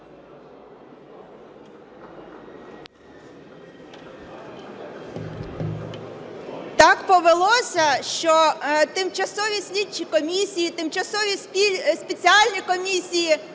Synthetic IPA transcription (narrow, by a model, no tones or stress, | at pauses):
t̪ɑkpɔʋelˠɔsʲɐʃt͡ʃɔt̪ɪmt͡ʃɐsɔʋʲisʲlʲit͡ʃʲikɔmʲisʲijit̪ɪmt͡ʃɐsɔʋʲisʲspʲet͡sʲiɑlʲnʲikɔmʲisʲiji